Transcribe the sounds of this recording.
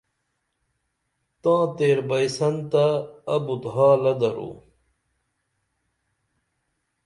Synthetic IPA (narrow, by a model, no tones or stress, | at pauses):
t̪ãːt̪eːɾbɐjsɐnt̪aːbut̪ɦaːlɐd̪ɐɾṵː